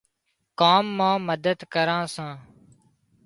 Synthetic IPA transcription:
kaːmːãːməd̪əd̪kəɾãːsãː

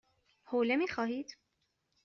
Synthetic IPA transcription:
hoːlemiːxɒːɦiːd̪̥

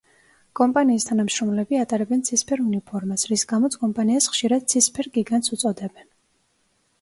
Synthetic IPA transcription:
kʼɔmpʼaniːst̪ʰanamʃɾɔmlɛbiat̪ʼaɾɛbɛnt̪sʰispʰɛɾunipʰɔɾmasɾisɡamɔt̪sʰkʼɔmpʼaniasχʃiɾad̪̥̚t̪sʰispʰɛɾɡiɡant̪sʰut̪sʼɔd̪ɛbɛn

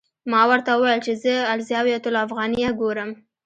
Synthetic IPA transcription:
mɑwəɾt̪awəwajəlt͡ʃezəalzjɑwjat̪ʊlafɣɑnijaɡoɾəm

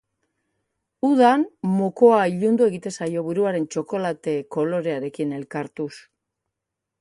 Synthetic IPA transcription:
uðanmoko̞aiʎund̪ue̞ɣit̪e̞sajo̞βuɾuaɾe̞nt͡ʃo̞ko̞lat̪e̞ko̞lo̞ɾe̞aɾe̞kine̞lkaɾt̪us

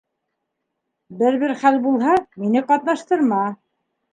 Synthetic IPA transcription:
bɘɾβɘɾχælbulˠɦɑminɘqɑt̪nɑʃt̪ɤ̆ɾmɑ

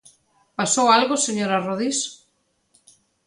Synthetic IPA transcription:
pasowalɣoseɲoɾaroð̞is

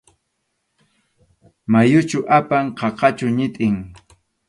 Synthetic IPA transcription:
majʊt͡ʃʊʔapaɴqɑqɑt͡ʃʊɲɪt̪ʼɪŋ

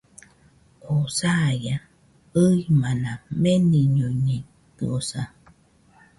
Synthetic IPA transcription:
kosaja | ɯimanãmeniɲuɲi | t̪ɯ̰osa

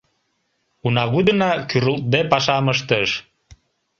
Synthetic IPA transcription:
unɑɣud̪ənɑkyɾəlt̪̚b̪epɑʃɑməʃ̬t̪əʃ

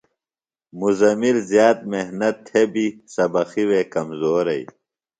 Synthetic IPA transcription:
muzɐmilzjaːt̪̚mehnɐt̪ʰːebisɐbɐxiwekɐmzoːɾɐj

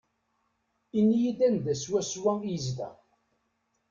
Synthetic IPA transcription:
inːijid̪ænd̪æswæswæjzd̪æ̰

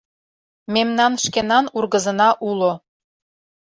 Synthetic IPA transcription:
memnɑnʃkenɑnurɣəzɤ̆nɑʔulo

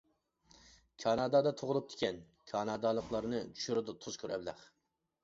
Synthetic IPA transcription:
kʲʰɑnɑd̪ɑd̪ɑt̪ʰoʁʊlˠup̚t̪ʰɪ̥kʲɛn | kʲʰɑnɑd̪ɑlˠəqlˠɑɾnɨt͡ʃʰy̥ʃyɾyd̪ut̪ʰuz̥kʲʰøɾʔɛ̰blæ̰χ

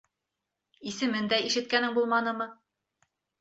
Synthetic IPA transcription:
isɘ̆mɘnd̪æiʃɘ̆t̪̚kænɘŋbulˠmɑnɤmɤ

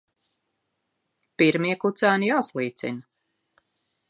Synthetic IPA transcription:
piɾmiɛkut̪sæːnijaːslˠiːt̪sḭna

